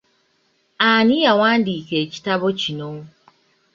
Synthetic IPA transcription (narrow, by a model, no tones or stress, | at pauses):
anijawaːndiːke̞ːci̥taβo̞cino